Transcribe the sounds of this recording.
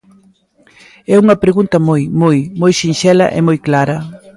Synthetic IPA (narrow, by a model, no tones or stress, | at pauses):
ɛuŋɐpɾeɣunt̪ɐmojmojmojʃinʃɛlɐ̰ʔɛ̰mojklaɾɐ